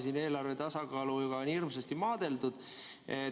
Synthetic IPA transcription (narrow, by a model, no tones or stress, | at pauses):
siːne̞ːlɑrve̞t̪ɑsɑɡ̥ɑːluuɡ̥ɑonirmsest̪imɑːd̪̥e̞ld̪ud̪̥ | e